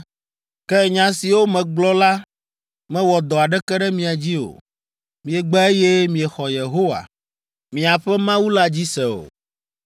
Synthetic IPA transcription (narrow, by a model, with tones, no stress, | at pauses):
kɛ˦˨ɲã˨si˨wo˦mɛ̃˨ɡ͡blɔ˦la˦ | mɛ̃˦wɔ˨d̪ɔ˨a˨ɖɛ˦kɛ˦ɖɛ˦mĩ˨a˨d͡ʑi˦o̰˨ | mĩ˨ɛ˨ɡ͡bɛ˦e˦je˦mĩ˨ɛ˨xɔ˨je˨ɦo˦wa̰˨ | mĩ˨a˨ɸɛ˦mã˦wu˦la˦d͡ʑi˦sɛ˨o̰˨